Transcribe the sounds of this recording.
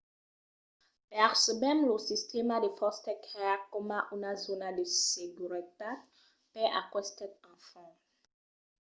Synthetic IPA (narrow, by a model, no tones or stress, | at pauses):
pɛʁsəmɛmlosist̪emad̪efɔst̪ɛkɛkɔmaʔunazonad̪eseɡyʁit̪at̪ | pɛʔa̰kwɛst̪ɛt̪̚ɑ̃fɔ̃